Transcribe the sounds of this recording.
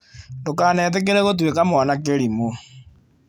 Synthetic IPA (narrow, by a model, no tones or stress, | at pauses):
ndokanɛt̬ɛk̬eɾɛɣot̬wekamanak̬eɾimo